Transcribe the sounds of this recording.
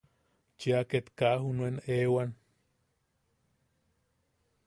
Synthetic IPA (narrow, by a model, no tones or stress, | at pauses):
t͡ʃiaket̪kahunuenewan